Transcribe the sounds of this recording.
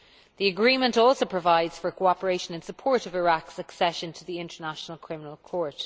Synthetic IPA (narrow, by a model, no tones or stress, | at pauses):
ðiəɡɹĩːmə̃ntɔˑlˠsoʊpʰɹ̥əvaɪdz̥fə˞kʰoʊɑpəɹeɪʃə̃nə̃nsəpʰɔɹɾəvɪɹaksəksɛʃə̃ntʰəðiɪ̃ntə˞naʃənəlˠkʰɹ̥ɪmənəlˠkʰɔɹt